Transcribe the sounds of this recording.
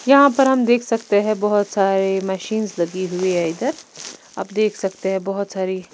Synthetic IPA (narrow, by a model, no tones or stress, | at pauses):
jɐɦãpɐɾɦɐmd̪eːkʰsɐkt̪eɦɛ̃bɔɦʊt̪saːɾemɛʃiːnzlɐɡiɦʊiɦɛɪd̪əɾ | ɐ̰bd̪eːkʰsɐkt̪eɦɛ̃bɔɦʊt̪saːɾi